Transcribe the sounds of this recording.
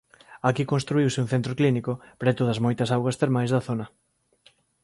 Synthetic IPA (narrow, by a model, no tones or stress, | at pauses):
akikonst̪ɾuiwsɪuŋ̟θent̪ɾoklinikʊpɾɛt̪oð̞ɐsmojt̪ɐsawɣwɐst̪eɾmajzðɐθonɐ